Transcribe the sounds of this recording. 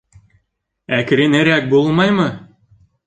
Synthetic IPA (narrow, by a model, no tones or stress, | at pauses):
ækɾenĕɾʲæk̚bolˠmɑjmɤ̆